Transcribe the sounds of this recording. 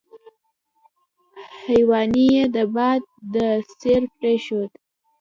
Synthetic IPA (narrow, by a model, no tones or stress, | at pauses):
hajwɑnijed̪əbɑd̪̚ːəseɾpɾeʃod̪